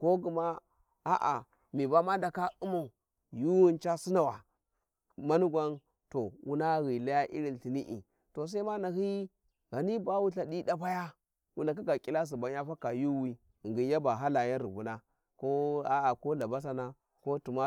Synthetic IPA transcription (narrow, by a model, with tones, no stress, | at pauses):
ko˦ɡu˨ma˦ | a̰˦ʔa̰˨ | mi˨ba˦ma˦da˨ka˦u˦ma˨u˨ | ju˦wu˦nt͡ʃa˦si˦na˨wa˨ | ma˦nu˦ɡʷa˦n | to˨wṵ˦na˦ɣi˨la˦ja˦ʔḭ˦ɾi˨nɬi˨ni˦ʔḭ˨ | to˨s̬a˦i˦ma˦na˨hi˦ | ɡa˨ni˦ba˦wu˦ɬa˨di˦da˦pa˦ja˦ | wu˦na˨k̬i˦ɡa˨kʼi˦la˦s̬i˨ba˨˦ɲ˦a˦fa˦ka˨ju˦wi˦˨ | ɡi˨˦ja˦ba˨ɦa˦la˨ja˦nɾi˨bu˨na˦ | ko˦a˦a˨ko˦la˨ba˦s̬a˦na˦ | ko˦tu˨ma˦